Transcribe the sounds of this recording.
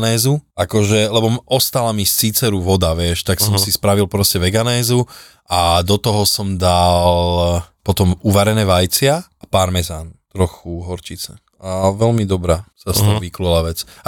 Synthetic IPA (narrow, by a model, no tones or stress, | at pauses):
nɛːzuʔakɔʒɛlɛbɔɔst̪alamist͡siːt͡sɛɾuʋɔd̪aʋɪɛʃt̪aksɔmsispɾaʋilˠpɾɔscɛʋɛɡanɛːzu | ʔad̪ɔt̪ɔɦɔsɔmd̪alpɔt̪ɔmuʋaɾɛnɛːʋajt͡sɪaapaɾmɛzant̪ɾɔxuɦɔɾt͡ʃit͡sɛ̰ | aʋɛlmid̪ɔbɾasast̪ɔɦɔʋiklulaʋɛt͡sa